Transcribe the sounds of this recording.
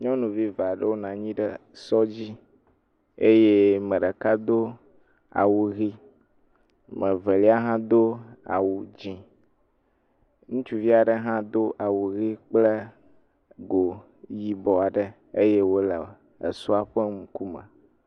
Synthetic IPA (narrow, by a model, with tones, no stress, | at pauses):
ɲɔ̃˦nũ˨vi˦va˨ɖə˦wo˦nã˨ɲĩ˦ɖə˦sɔ˦d͡ʑi˦ | e˦je˦mɛ̃˨ɖə˨ka˦d̪o˦ | a̰˨wu˨ɣi˦ | mə˨ve˨li˦a˦ɦã˦d̪o˦a̰˨wu˨d͡ʑĩ˨ | ŋũ˦t͡ʃu˦vi˦a˨ɖə˦ɦã˦d̪o˦ʔa˨wu˨ɣi˦k͡ple˦ | ɡo˨ | ji˦bɔ˨a˨ɖə˦ | e˦je˦wo˦lə̰˨ | ḛ˨su˦a˨ɸe˦ŋũ˨ku˦mə̰˨